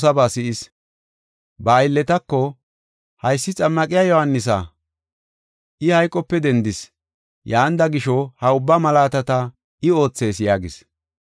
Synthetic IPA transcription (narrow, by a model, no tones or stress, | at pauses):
sɐbaːsɪʔɪs | bɐːjlːɛt̪ɐkːɔ | hɐjsːɪt͡sʼɐmːɐkʼɪjajɔhanːɪs̬a̰ | ʔɪhɐjkʼːɔpːɛd̪ɛnd̪ɪs | jaːnd̪ɐɡɪʃɔhɐʊbːamɐlaːt̪ɐt̪ɐ | ɪo̞ːt͡sːe̞ːsjaːɡɪs